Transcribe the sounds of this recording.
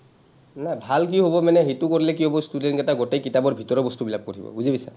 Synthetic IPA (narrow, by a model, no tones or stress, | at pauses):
nabʱalk̬iɦobɔmanɛɦetukoɹilɛkiɦobɔstudɛnkɛtaɡɔtejkitabɔɹbʱitɔɹɔbɔstubilab̚koɹḭbɔ̰buzibisa̰